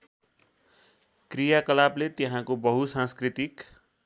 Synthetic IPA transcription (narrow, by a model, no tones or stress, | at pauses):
krijakʌlablet̪eɦãkobʌɦusãnskrit̪ik